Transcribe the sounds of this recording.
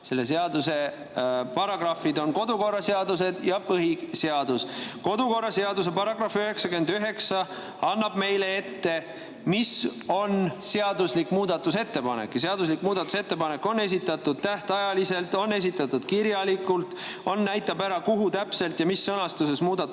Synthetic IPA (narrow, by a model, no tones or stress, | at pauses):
se̞lːe̞s̬eɑd̪use̞ | pɑɾɑɡ̥rɑfid̪o̞nko̞d̪uko̞rːɑseɑd̪use̞d̪̥jɑpɤɦiseɑd̪̥usko̞d̪uko̞rːɑse̞ɑd̪us̬e̞pɑɾɑɡrɑføɦeksɑkyend̪yɦe̞ksɑ | ɑnːɑb̥me̞jleet̪ːe̞ | miso̞nse̞ɑd̪uslikːmuːd̪̥ɑt̪ːˑuse̞t̪ːe̞pɑne̞̰kːjɑseɑd̪us̬likːmuːd̪̥ɑt̪ːˑu̥se̞t̪ːe̞pɑne̞kːo̞nːe̞s̬ʲit̪ːˑɑt̪ːˑud̪̥̚t̪æht̪ɑjɑlise̞lt̪ːˑo̞nːe̞s̬ʲit̪ːˑɑt̪ːˑud̪̥kiɾjɑlikˑult̪o̞nːæjt̪ːˑɑbæɾɑkuɦut̪æpse̞lt̪jɑmisːɤnɑst̪use̞smuːd̪̥ɑ